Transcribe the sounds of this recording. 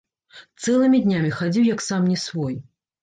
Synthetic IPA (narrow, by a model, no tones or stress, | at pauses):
t̪sɛlˠɨmʲid̪ʲnʲamʲixad͡zʲiwjɐksamnʲɛsvɔj